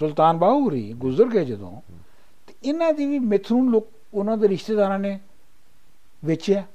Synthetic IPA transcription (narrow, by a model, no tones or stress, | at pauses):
sʊlt̪aːnbaːuɾḭːɡʊzəɾɡeːd͡ʒəd̪õ̰ː | t̪eɪnãːd̪iːʋiːmɪt̪ʰɾuːnloːk̚ | ʊnãːd̪eːɾɪʃt̪eːd̪aːɾãːneː | ʋɪt͡ʃɛː